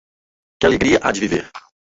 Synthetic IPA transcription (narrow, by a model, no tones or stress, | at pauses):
kʲɪaleɡɾiɐʔa̰d͡ʒɪvivḛɾ